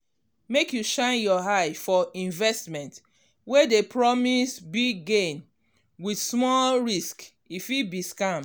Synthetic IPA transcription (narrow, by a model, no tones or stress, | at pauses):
mekjuʃãɪ̃njɔɦaɪfɔĩnvɛstmɛ̃nt | wedepɹɔmisbiɡɡẽn | widsmɔlɹisk | ifibiskãm